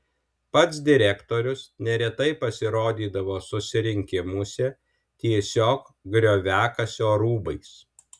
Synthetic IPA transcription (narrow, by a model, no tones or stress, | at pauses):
pɐt̪sd̪ʲɪɾʲɛkt̪oːɾʲʊsnʲɛɾʲɛt̪ɐɪpɐsʲɪɾoːd̪ʲiːd̪ɐʋoːsʊsʲɪɾʲɪŋʲkʲɪmʊsʲɛ | t̪ʲiɛsʲoːk | ɡɾʲoːʋʲæːkɐsʲoːɾuːbɐɪs